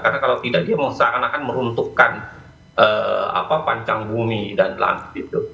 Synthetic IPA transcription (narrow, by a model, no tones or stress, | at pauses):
karnakalawt̪idak̚diaməŋsakanakanməɾunt̪ukːan | ʔəːa̰papaɲt͡ʃaŋbumidanla̰ŋɡɪt̪̚ɡit̪u